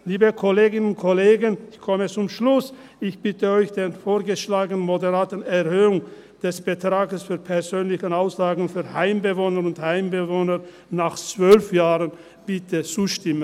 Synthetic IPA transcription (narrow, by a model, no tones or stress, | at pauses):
liːbəkʰoleːɡɪnənʊntkʰɔleːɡənɪçkʰɔmət͡sʊmʃlʊs | ɪçb̥ɪtəɔʏçd̥enfoːɐɡəʃlaːɡənənmodəʁaːtənɛʁhøːʊŋ | d̥ɛsb̥ətʁ̥aːɡəsfyːɐpʰɛɐzøːnlɪçənaʊsz̥aːɡŋ̩fyːɐhaɪmbəvoːnəʁʊnthaɪmbəvoːnə | naχt͡sv̥œlfjaːʁən | b̥ɪtʰət͡suːʃtɪmən